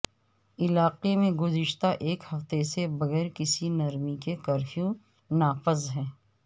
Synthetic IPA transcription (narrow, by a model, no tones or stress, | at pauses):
ɪlaːqemẽɡʊzɪʃt̪aʔeːkhɐft̪esebɐɣɛːɾkɪsinɐɾmikekɐɾfijũ | naːfɪzɦɛ̃ː